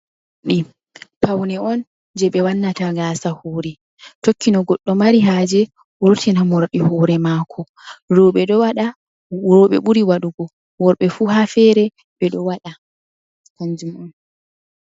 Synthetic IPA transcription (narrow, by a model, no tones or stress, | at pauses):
ɗi | pawnɛɔn | d͡ʒɛɓɛwanːataɡaːsahoːɾɛ | tokːinɔɡɔɗːɔmaɾiɦaːd͡ʒɛ | wɔɾtʰinamɔɾɗɛhɔːɾɛmaːkʰɔ | ɾɔɓɛɗɔwaɗa | ɾɔɓɛ̰ɓuɾiwaɗuɡɔ | wɔɾɓɛfuːhafɛɾɛ | ɓɛɗɔwaɗa | kaɲd͡ʒumɔn